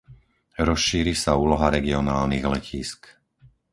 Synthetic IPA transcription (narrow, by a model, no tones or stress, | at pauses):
ɾɔsʃiːɾisauːlɔɦaɾɛɡiɔnaːlniɣlɛciːsk